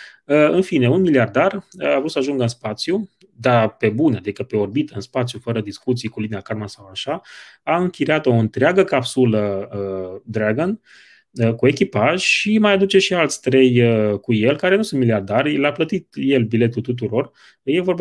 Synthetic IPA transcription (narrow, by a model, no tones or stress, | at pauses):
əɨnfine̞unmiliard̪aravɾut̪səaʒuŋɡəɨnspat̪sju | d̪ape̞bunad̪ikəpe̞o̞rbit̪əɨnspat̪sjufəɾəd̪iskut̪sijkulineakalmasawaʃaaɨŋkʲiɾeat̪o̞ɨnt̪ɾeaɡəkapsuləəd̪ɾaɡon | əkue̞kʲipaʒʲʃimajad̪ut͡ʃe̞ʃialt̪sʲt̪ɾe̞jəkuje̞lkaɾe̞nusunt̪miliard̪arʲlaplət̪it̪je̞lbile̞t̪ult̪ut̪̬uɾo̞r | je̞vo̞rb